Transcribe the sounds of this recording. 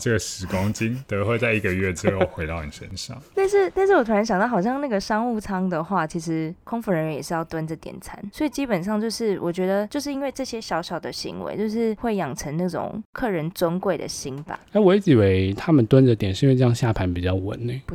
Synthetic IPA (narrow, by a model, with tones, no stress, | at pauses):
ʈ͡ʂə˥˩ɡə˩ʂɻ̩˨˩kʊ˥ŋt͡ɕi˥nt̪ɤ˧˦˧xwe˥˧ɪt͡sa˥˩ɪi˧˥ɡə˨ɥɛ˥˩ʈ͡ʂɻ̩˧˥xo˥˩xwe˧˥ɪt̪ɑ˥˩ʊni˨˩ʂə̰˦˥nʂɑ̰˥˩˦ŋna˥˧ʂɻ̩˥˧na˥ɪʂɻ̩˥˩wɔ˨˩wa˧˥a˧˥ɕjɑ˨˩ŋt̪ɑ˥˩xɑ˨˩ɕjɑ˥˧ŋna˥˩ɡə˩ʂɑ˥ŋu˥˩t͡sʰɑ˥ŋd̪ə˨xwa˥˩t͡ɕʰi˧˥ʂɻ̩˧˦kʰʊ˥ŋfu˧˥ɻə˧˥nɥɛ˧˦jɛ˨˩ʂɻ̩˥˧jɑ˥˩ʊt̪wa˦nʈ͡ʂə˨˩t̪jɛ̰˨˩nt͡sʰa̰˧˦nswɔ˧˥i˨˩t͡ɕi˦˥pə˨˩nʂ̬ɑ˥˧ŋt͡ɕjo˥˧ʊʂɻ̩˥˩wʔɔ̰˨˩t͡ɕɥɛ˧˥d̪ə˧t͡ɕjo˥˧ʊʂɻ̩˥˩i˥nwe˥˧ɪʈ͡ʂɤ˥˩ɕjɛ˥ɕjɑ˧˥ʊɕjɑ˨˩ʊd̪ə˦ɕḭ˧˥ŋwḛ˧˥ɪt͡ɕjo˥˧ʊʂɻ̩˥˧xwe˥˩ɪjɑ˨˩ŋʈ͡ʂʰə˧˦ŋna˥˩ʈ͡ʂʊ̰˨˩ŋkʰɤ˥˩ɻə˧˦nt͡swə˥nkwe˥˩ɪd̪ə̰˩ɕi˧˥nba̰˨˩na˥wɔ˨˧i˥˩t͡ɕi˨˩we˧˥ɪt̪ʰa˦mə˨nt̪wa˦nd͡ʒə˨t̪jɛ˨˩n̩˥˧˥we˥˧ʈ͡ʂjɑ˥ŋɕja˥˨˩pʰa˧˦npi˨˩t͡ɕjɑ˥˩ʊwə̰˧˦nne˦